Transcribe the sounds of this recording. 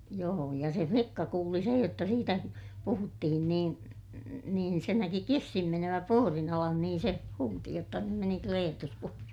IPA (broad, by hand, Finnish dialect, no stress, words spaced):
joː jɑ se flikːɑ kuːli sej jotːɑ siːtæ puhutːihin niːn niːn se næki kisːin menøʋæ puorin ɑlɑn niːn se huːti jotːɑ nym meni kleːtus puorin